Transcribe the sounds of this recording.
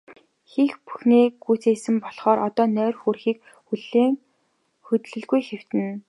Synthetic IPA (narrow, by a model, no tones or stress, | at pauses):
xixpu̥xniːɡuːt͡seːsɘ̆mpɔɮχɔːɾʔɔt̪ɔːnœːrxuːrxiːk̚ | xuɮeːŋ | xɵt̪ɮɵ̆ɮɡujxew̥t̪ɘ̆n